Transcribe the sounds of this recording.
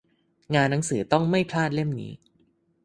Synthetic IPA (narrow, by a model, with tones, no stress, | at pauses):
ŋaː˧nːa˦˥ŋsɯː˩˦t̪ɔ˥˩ŋma˥˩jpʰlaː˥˩t̪̚le˥˩mnḭː˦˥